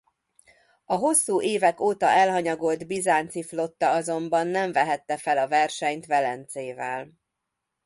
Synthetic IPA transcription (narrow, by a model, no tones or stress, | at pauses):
ɒɦo̞sːuːʔeːvɛkoːt̪ɒʔɛlɦɒɲɒɡold̪bizaːnt̪siflo̞t̪ːɒɒzo̞mbɒnːɛɱvɛɦɛt̪ːɛfɛlɒvɛrʃɛɲt̪ʋɛlɛnt̪seːvɛl